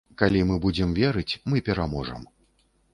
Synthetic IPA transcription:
kalʲimɨbud͡zʲɛmvʲɛɾɨt͡sʲmɨpʲɛɾamɔʐɐ̰m

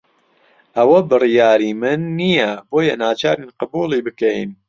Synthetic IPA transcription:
ʔɐwɐbɨrijaːɾiːmɨnːijɐboːjɐnaːt͡ʃaːɾinqɨbuːlˠiːbɨkɛjn

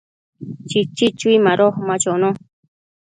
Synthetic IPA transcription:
t͡ʃit͡ʃit͡ʃwimaɾoχmat͡ʃono

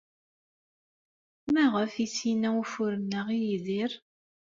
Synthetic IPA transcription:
mæʁəfisinæufʊɾənːəʁijiðiɾ

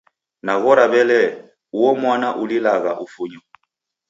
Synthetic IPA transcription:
naɣɔɾaβɛlɛ | uɔmwanaʔulilaɣa̰ʔufuɲɔ

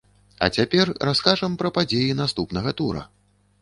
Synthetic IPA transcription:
ɐ̰t͡sʲapʲɛrraskaʐɐmpɾɐpad͡zʲejinast̪upnɐɣɐt̪uɾɐ̰

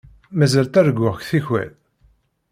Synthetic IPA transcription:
mæzælt̪æɾɡʷːʊʁçθiçwæ̰l

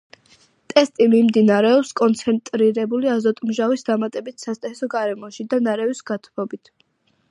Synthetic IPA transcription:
t̪ʼɛst̪ʼimimd̪inaɾɛɔpskʼɔnt̪sʰɛnt̪ʼɾiɾɛbuliazɔt̪ʼmʒavisd̪amat̪ʼɛbit̪ʰsast̪ʼɛsɔɡaɾɛmɔʃid̪anaɾɛvisɡat̪ʰmɔbit̪ʰ

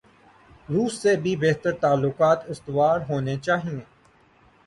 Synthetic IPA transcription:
ɾuːsːebʱibeɦt̪əɾt̪aːlːʊkaːt̪ɪst̪ʋaːɾɦoːnet͡ʃaːɦiẽː

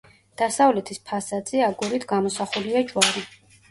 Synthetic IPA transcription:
d̪̥asavlɛt̪ʰispʰasad̪z̥ɛaɡuɾit̪ʰɡamɔsaχuliat͡ʃʼwaɾi

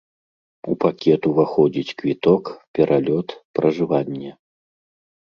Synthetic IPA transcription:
upakʲɛt̪uvaxɔd͡zʲit͡sʲkvʲit̪ɔkpʲɛɾʔalʲɔt̪pɾɐʐɨvanʲːɛ

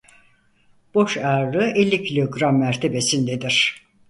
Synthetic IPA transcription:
b̥o̞ʃaɾlɯʔelʲːicʰilʲoɡɾamːæɾt̪ʰebe̞sind̪ed̪iɾ̥

